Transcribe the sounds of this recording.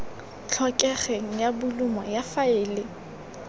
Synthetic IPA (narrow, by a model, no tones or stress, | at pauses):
t͡ɬʰɔkʼɛχɛŋ̩jabʊlʊmɔjafaɪːlɪ